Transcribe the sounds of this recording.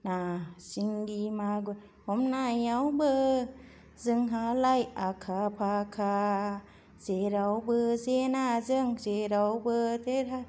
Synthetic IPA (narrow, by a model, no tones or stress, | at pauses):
nasiŋɡimaɡɯ | hɔmnajawbɯ | zɯŋɦalajakʰapʰakʰa | zeɾawbɯzenazɯŋzeɾawbɯteɾa